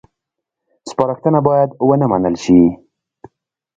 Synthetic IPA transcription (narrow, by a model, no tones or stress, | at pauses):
spɑɾaxt̪ənabɑjad̪wənəmanəlʃi